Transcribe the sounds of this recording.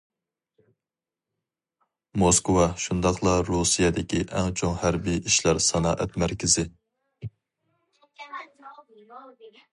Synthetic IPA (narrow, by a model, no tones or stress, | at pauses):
moskwɑʃund̪ɑqlˠɑɾusijɛd̪ɪkʲʰiʔɛŋt͡ʃʰoŋhæɾbijiʃlæɾsɑnɑ̰ːʔɛt̪mæɾkʲʰɪzɪ